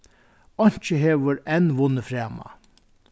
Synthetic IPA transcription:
ɔɲ̥t͡ʃəɦeːʋəɾɛnʋʊnəfɾæːma̰

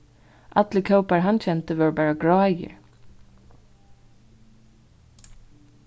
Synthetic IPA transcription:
ʔɑt̪lɪkʰœʊpæɹɦɑnc͡çɛnt̪əʋɑːɹbæːɹɑɡɹɑːjə̰ɹ

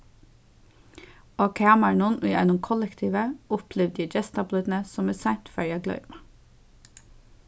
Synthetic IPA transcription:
oːkʰɑːməɳʊnʔḭːʔɛ̰nʊmkʰɔlɛkt̪ʰiːʋəʔʊpʰlɛʋd̪iːd͡ʒɛst̪ɑblʏd̪n̩əsɔmeːsænt̪fœɹjɑɡlœ̰ʏmɑ

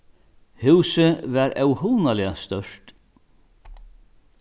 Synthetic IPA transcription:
hʉwsəvaɾɛwhuːnalɪast̪œʂt̪

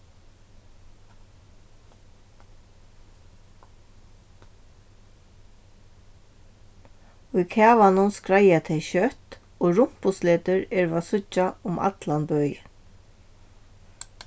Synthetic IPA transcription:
ʊjkʰæːʋanʊnskɾajat̪ʰɛʃœt̪ | ɔːɹʊm̥pʊsleːt̪ʏɹɛɹvasʊt͡ʃːaʊmʔa̰t̪lanbœj

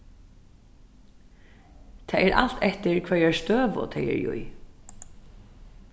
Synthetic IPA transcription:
t̪ʰɛːɛɾʔa̰l̥t̪ʰɛht̪ɪɹkʰvɛɹɛɹst̪øːʋʊ̰t̪ʰɛjɪ̰ɹjṵj

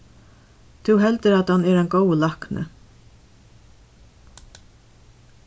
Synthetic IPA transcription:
t̪ʰʊwɦɛlt̪ɪɾat̪hanɛɾɛnɡowəlahknʔɪ̰

